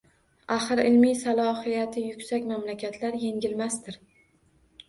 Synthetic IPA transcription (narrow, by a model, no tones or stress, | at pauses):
aχɨɾɪlmijsalˠɒhijat̪ʰɪjʊkʲsakʲmamlakʲʰat̪ʰlaɾje̞ŋɡʲɪlmast̪ɪɾ